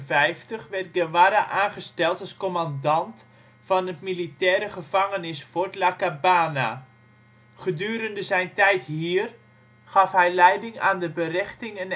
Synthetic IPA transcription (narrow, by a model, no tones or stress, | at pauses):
vɛjftəχʋɛrt̚ɡəʋaɾaʔaːnχəstɛlˠtɑlˠskomandɑnt | fɑnətmilitɛːɾəχəvɑŋənɪsfortlakabaːna̰ | χədyːɾəndəzɛjntɛjthiər | χɑfɦɛjlɛjdɪŋa̰ːndəbərɛχtɪŋən